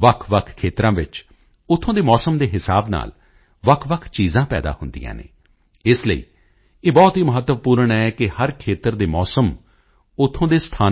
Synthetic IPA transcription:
ʋəkʰʋəkʰkʰːeːt̪ɾãːʋɪt͡ʃ | ʊt̪ʰːõːd̪eːmɔːsəmd̪eːɦɪsa̰ːbna̰ːl | ʋəkʰʋəkʰt͡ʃiːzãːpɛ̰ːd̪a̰ːhʊnd̪ḭjã̰ːnḛː | ɪsləḭː | eːbɔːt̪ɦiːməɦət̪ːəʋpuːɾəɳɛːkɪhəɾkʰeːt̪əɾd̪eːmɔːsəm | ʊt̪ʰːõːd̪eːst̪ʰaː

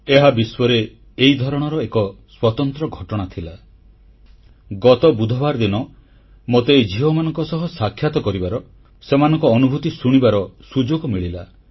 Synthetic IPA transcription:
eɦabiswɔɾeː | id̪ʱɔɾɔɽ̃ɔɾɔekɔswɔt̪ɔnt̪ɾɔɡʱɔʈɔɽ̃at̪ʰila | ɡɔt̪ɔbud̪ʱɔbaɾd̪inɔ | mot̪ed͡ʒiɦɔmanɔŋkɔsɔɦɔsakʰːjat̪ɔkɔɾibaɾɔ | semanɔ̃ŋkɔːnubʱut̪isuɽ̃ibaɾɔsud͡ʒoɡɔmiɭila̰

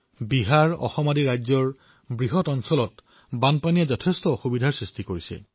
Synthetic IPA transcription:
biɦaɹɔ̰xɔmadiɹajzɔɹ | bɹiɦɔtɔnsɔlɔt | banpanijazɔtʰestɔːxubidʱaɹsɹistikoɹisɛ̰

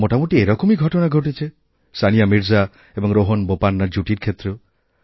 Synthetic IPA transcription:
moʈamuʈieɾɔkomiɡʱɔʈonaɡʱoʈ̬it͡ʃʰe | sanijamiɾd͡ʒa | ebɔŋɾoɦonbopanːaɾd͡ʒuʈiɾkʰet̪ɾo

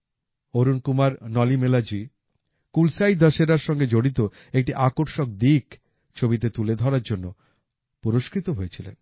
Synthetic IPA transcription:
oɾunkumaɾnɔlimelad͡ʑi | kulsajd̪ɔʃeɾaɾʃɔŋɡed͡ʑoɽit̪o | ek̚ʈiʔakoɾʃok̚d̪ik | t͡ɕʰobit̪̬et̪uled̪ʱɔɾaɾd͡ʑonːo | puɾoʃkɾit̪oɦojet͡ɕʰilḛn

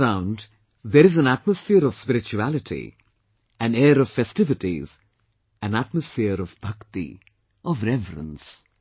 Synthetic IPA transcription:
ɾãʊ̃nɖ | d̪eɾɪzæ̃næʈ̚məsfɪəɾɔvspɪɾɪt͡ʃuælɪʈʰḭ | æ̃nɛːɾɔv̥fɛstɪvɪʈḭz̥ | æ̃nætməsfɪəɾɔvbʱʌkt̪ḭ | ʔɔvɾɛvɾə̰̃ns

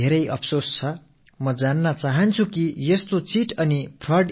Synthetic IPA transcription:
eɾʌjʔʌ̰pʰsost͡sʰʌ | mʌd͡zanːʌt͡saɦʌnt͡sʰukijʌst̪ot͡siʈʌnipʰrʌɖ

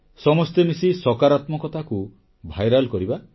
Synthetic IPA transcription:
sɔmɔst̪emisisɔkaɾat̪mɔkɔt̪ʰaku | bʱajɾalkɔɾiba

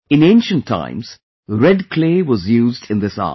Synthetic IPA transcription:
ɨ̃nẽnʃə̃ntʰːã̰ɪ̃mz̥ | ɾɛd̚kʰl̥eːʋʌzjuːzdɨ̃nd̪ɪsɑ̰

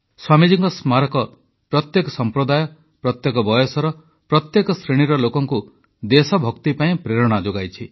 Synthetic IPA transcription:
swamid͡ʒiŋɡɔsmaɾɔkɔ | pɾɔt̪jekɔsɔmpɾɔd̪ajɔ | pɾɔt̪jekɔbɔjɔsɔɾɔ | pɾɔt̪jekɔsɾeɽ̃iɾɔlokɔŋku | d̪esɔbʱɔkt̪ipaĩpɾeɾɔɽ̃ad͡ʒoɡajt͡ʃʰi

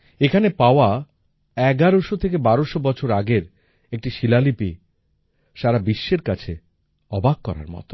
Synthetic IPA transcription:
ekʰanepaoa | ɛɡaɾoʃot̪ʰek̬ebaɾoʃobɔt͡ɕʰoɾaɡeɾ | ek̚ʈiʃilalipi | ʃaɾabiʃːeɾkat͡ɕʰe | ɔbʱaɡ̚kɔɾa̰ɾmɔ̰t̪o̥

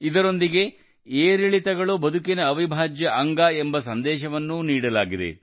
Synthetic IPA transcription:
id̪ɐɾo̞nd̪iɡe̞ | eːɾiɭit̪ɐɡɐɭubɐd̪ʱukinɐːʋibʱaːd͡ʒjɐʔɐŋɡaːembɐsɐnd̪ɛːʃɐʋɐnːuniːɽɐlaːɡid̪ḛ

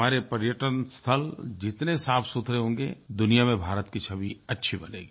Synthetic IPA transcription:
aːɾepɐɾjəʈənst̪ʰəld͡ʒɪt̪nesaːpʰsut̪ʰɾeɦõːŋɡḛd̪ʊnijamẽbʱaːɾət̪kit͡ʃʰɐbiɐtːʃʰibɐlḛːɡi

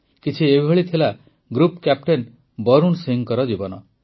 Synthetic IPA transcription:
kit͡ʃʰiebɦeɭit̪ʰila | ɡɾupkap̚ʈen | bɔɾunsiŋkɔɾɔd͡ʒibɔnɔ

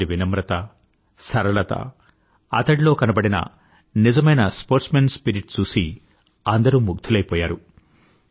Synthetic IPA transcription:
iʋinɐmɾɐt̪ɐ | sɐɾɐɭɐt̪ɐ̰ | ɐ̰t̪ɐɽilo̞ːkɐnɐbɐɽinɐ̰ | nid͡ʒɐmɐjnɐspoːɾʈsmenspiɾiʈt͡ʃuːsi | ɐnd̪ɐɾuːmuɡ̚t̪ʰulɐjpɔːjaːɾu

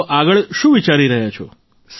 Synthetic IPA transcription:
ʔaɡəɭʃũʋit͡ʃaɾiɾəɦjat͡ʃʰo̰ | s

